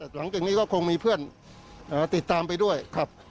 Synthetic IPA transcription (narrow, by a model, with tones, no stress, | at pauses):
t̪ɛː˨˩wa˨˦ŋt͡ɕɯ˧ŋniː˥˩kɔː˥˩kʰo˧ŋmiː˧pʰɯ˥˩ən | ʔaː˨˩t̪i˨˩t̪ːaː˧mpa˧jdu˥˩əjkʰa˦˥p̚